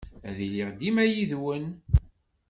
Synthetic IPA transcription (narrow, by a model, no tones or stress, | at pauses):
æðiliʁd̪imæjiðwən